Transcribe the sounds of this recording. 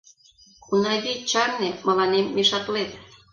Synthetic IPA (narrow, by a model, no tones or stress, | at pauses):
unɑɣit͡ɕɑrnemə̆lɑnemːeʃɑt̪let̪